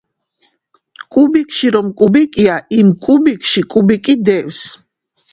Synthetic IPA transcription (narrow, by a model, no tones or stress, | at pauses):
kʼubikʰʼʃiɾɔmkʼubikʼiaimkʼubikʰʼʃikʼubikʼid̪ɛws